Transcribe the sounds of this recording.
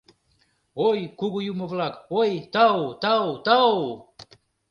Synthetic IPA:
ojkuɡujumovlakojt̪awt̪awt̪aw

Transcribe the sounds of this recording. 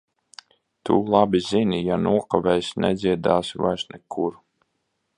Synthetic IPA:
t̪ulˠabʲizinʲijanuɔkavɛjsnɛ̰d̪ziɛd̪aːsva̰jsnɛkʰuɾ

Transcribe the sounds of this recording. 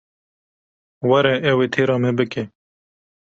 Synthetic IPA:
wɐɾɛʔɛweːt̪ʰeːɾɑːmebɨkeː

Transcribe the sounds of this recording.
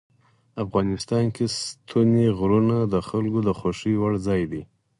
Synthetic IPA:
afɣɑnɪst̪ɑnkest̪ʰuneɣɾunad̪əxalɡod̪əxoʂiwaɽzɑjd̪i

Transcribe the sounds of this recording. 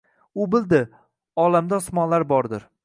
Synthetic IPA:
ʊbɪld̪ɪ | ɒlamd̪asmɒnlaɾbɒɾd̪ɪɾ

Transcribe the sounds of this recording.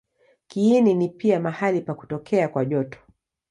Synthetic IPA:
kiːninipiamahalipaku̥tɔkʰɛakwaʄɔtɔ̥

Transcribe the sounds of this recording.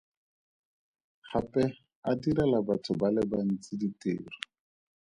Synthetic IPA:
χapʼɛ | adiɾɛlabatʰʊbalɪbaan̩t͡sʼɪditʼeːri

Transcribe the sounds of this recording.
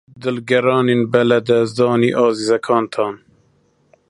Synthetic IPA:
d̪ɨlɡɛɾɑːneːnbɛlɛd̪ɛzd̪ɑːniːʔɑːziːzɛkʰɑːnt̪ʰɑːn

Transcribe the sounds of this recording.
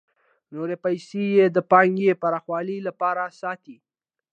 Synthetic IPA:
noɾepajsejed̪əpɑŋɡepaɾɑxwɑlilapɑɾasɑt̪i

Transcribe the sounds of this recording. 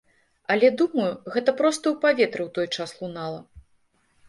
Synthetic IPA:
ɐlʲɛd̪umɐjuɣɛt̪ɐpɾɔst̪ɐwpavʲɛt̪ɾɨwt̪ɔjt͡ʂaslˠunalˠɐ

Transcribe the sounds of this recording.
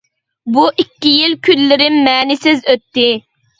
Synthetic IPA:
buʔikʲːijilkʲʰylːɪɾɪmmɛːnɪsɪzøt̪ːɪ

